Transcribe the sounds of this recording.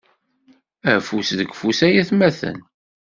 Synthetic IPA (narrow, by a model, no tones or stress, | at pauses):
æfusðəɡfusæjæθmæθə̰n